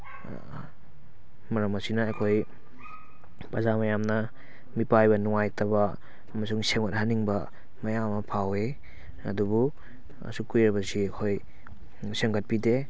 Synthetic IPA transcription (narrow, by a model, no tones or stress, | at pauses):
mɐɾɐmɐsinɐːjkʰoj | pazamɐjamnɐ | mipajbɐnuŋajtɐbɐː | mɐsuŋseŋɡɐt̚haniŋbɐ | mɐjamɐpʰawe | ɐ̰dubu | ɐ̰sukujɾɐbɐsiɐkʰoj | seŋɡɐt̚pide